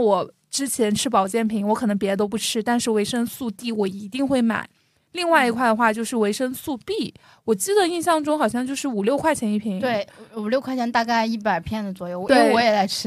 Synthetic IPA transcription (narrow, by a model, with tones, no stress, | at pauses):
wɔ˨˩ | ʈ͡ʂɻ̩˥t͡ɕʰjɛ˧˥nʈ͡ʂʰɻ̩˥pɑ˨˩ʊt͡ɕjɛ˥˩npʰi˧˥ŋwɔ˧˥kʰɤ˨˩nɤ˧˥ŋpjɛ˧˥ə˧t̪o˥ʊp̬u˥˩ʈ͡ʂʰɻ̩˥t̪a˥˧nʂɻ̩˥˩we˧˥ɪʂə˥nsu˥˧t̪i˥˩wɔ˨˩i˧˥t̪i˥˧ŋxwe˥˩ɪma̰˨˩˦ɪ | li˥˧ŋwa˥˩ɪi˧˥kʰwa˥˩ɪdə˩xwa˥˧t͡ɕjo˥˧ʊʂɻ̩˥˩we˧˥ɪʂə˥nsu˥˧pi˥˩ | wɔ˨˩t͡ɕi˥d̪ə˨i˥˧nɕ̬jɑ˥˩ŋʈ͡ʂʊ˥ŋxɑ˨˩ʊɕjɑ˥˧ŋt͡ɕjo˥˧ʊʂɻ̩˥˩u˨˩ljo˥˧ʊkʰwa˥˩ɪt͡ɕʰjɛ˧˥ni˥˩pʰi˧˥t̪we˥˩ɪu˨˩ljo˥˧ʊkʰwa˥˩t͡ɕʰɛ˧˥nt̪a˥˧ka˥˧ɪi˥˩pa˨˩ɪpʰjɛ˥˩nd̪ə˩t͡swɔ˨˩jo˥˩ʊe˥wɔ˧˥jɛ˨˩t͡sa˥˩ɪʈ͡ʂ̩ʰ˥